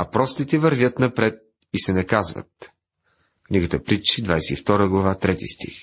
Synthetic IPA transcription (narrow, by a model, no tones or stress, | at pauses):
ɐpɾɔst̪it̪ɛvɐɾvʲjət̪nɐpɾɛt̪̚ | isɛnɐkazvə̰t̪̚ | kniɡət̪əpɾit͡ʃid̪vajsɛift̪ɔɾəɡlˠɐvat̪ɾɛt̪ḭst̪ḭx